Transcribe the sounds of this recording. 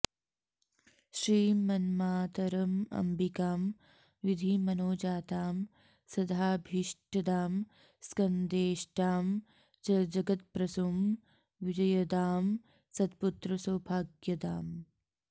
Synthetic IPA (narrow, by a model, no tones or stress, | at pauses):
ʃɾiːmɐnmaːt̪ɐɾɐmɐ̰mbʱikaːm | ʋid̪ʱimɐnoːd͡ʒaːt̪aːm | sɐd̪ʱaːbʱiʂʈɐd̪aːm | skɐnd̪eːʃʈaːm | d͡ʒɐd͡ʒɐɡɐt̪̚pɾɐsum | ʋid͡ʒɐjɐd̪aːm | sɐd̪put̪ɾɐsoːbʱaːɡjɐd̪aːm